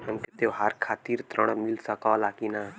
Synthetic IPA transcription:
ə̃ŋket̪eɦaɾkʰaːt̪iːɾt̪ɾəɽ̃milsakalaːkinaː

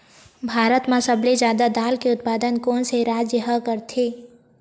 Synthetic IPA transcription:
bʱaːɾət̪mãsəbled͡ʒjaːd̪ad̪aːlkeʊt̪̚paːd̪ənkoːnseɾaːd͡ʒjəɦəkəɾt̪ʰe

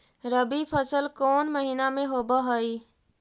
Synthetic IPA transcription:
ɾəbipʰəsəlkoːnməɦiːnamẽɦoːbəɦoi

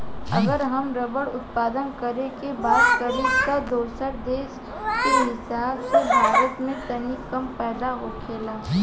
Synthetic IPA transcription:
ɐ̰ɡəɾɦɐmɾɐbəɽʊt̪̚paːd̪ənkɐɾekebaːd̪kəɾed͡ʒkad̪oːsəɾd̪eːʃ | kiɦɪsaːbsebʱaːɾət̪mẽt̪ɐnikɐmpɛːd̪aɦokʰeːlaː

